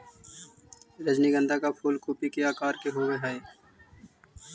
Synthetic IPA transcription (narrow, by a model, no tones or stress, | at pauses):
ɾəd͡ʒniɡə̃nd̪ʱakapʰuːlkuːpikeaːkaːɾkeɦoːweɦɛe